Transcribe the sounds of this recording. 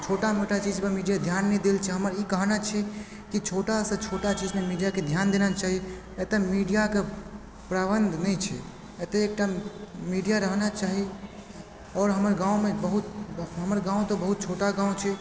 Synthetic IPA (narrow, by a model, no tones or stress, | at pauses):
t͡ʃʰoʈameʈat͡ʃid͡ʒmemiɖijad̪ʱjanːɛid̪elt͡ʃʰɛɦəməɾikəɦnat͡ʃʰɛ | kit͡ʃʰoʈasə̃t͡ʃʰoʈat͡ʃid͡ʒmemiɖijaked̪ʱjand̪enat͡ʃaɦi | et̪emiɖijake | pɾabənd̪ʱnɛjt͡ʃʰɛ | et̪eek̚ʈamiɖijaɾəɦnat͡ʃaɦi | ɔːɾɦəməɾɡãũmebəɦut̪ɦəməɾɡãũt̪obəɦut̪̚t͡ʃʰoʈaɡãũt͡ʃʰɛ